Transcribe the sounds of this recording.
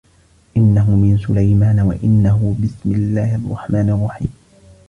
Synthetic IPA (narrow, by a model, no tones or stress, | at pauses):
ʔɪnːaɦʊmɪnsʊlajmaːnawa̰ʔɪnːaɦʊbɪsmɪlːaːhɑrˤːɑ̰ħmaːnɑrˤːɑħḭːm